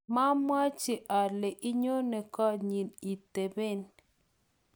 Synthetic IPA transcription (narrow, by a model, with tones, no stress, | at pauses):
ma˦mwa˦t͡ʃɪ˨ʔa˨le˨ʔɪ˦ɲo˦ne˨kɔ˦ɲi˨ni˨te˨be˦n